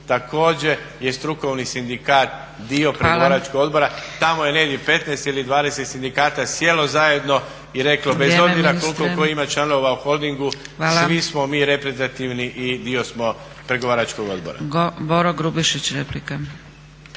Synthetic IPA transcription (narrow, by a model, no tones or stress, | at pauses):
t̪ako̞ːd͡ʑe̞ | je̞st̪ɾuko̞ʋnisind̪ikaːt̪̚ | d̪io̞pɾeɡoʋaːɾat͡ʃkoɡo̞d̪bo̞ɾat̪amoje̞ned̪ipe̞t̪nɛjst̪ilid̪ʋaːd̪e̞set̪sind̪ikaːt̪asje̞lo̞zaje̞d̪no̞ | iɾe̞klobezobziɾakolkooimat͡ʃlano̞ʋauxo̞lˠd̪iŋɡuʋasʋismo̞miːɾe̞pɾet̪at̪iʋniʔid̪io̞smo̞ | pɾe̞ɡoaːɾat͡ʃko̞ɡo̞d̪bo̞̰ɾa̰boɾoɡɾubiʃit͡ɕɾeplika